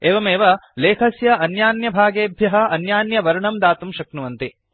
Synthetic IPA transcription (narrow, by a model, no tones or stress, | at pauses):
eːʋɐmeːʋɐleːkʰɐsjɐɐnjaːnjɐbʱaːɡeːbʱjɐɦɐɐnjaːnjɐʋɐɾuɳɐmd̪aːt̪umʃɐknuʋɐnt̪i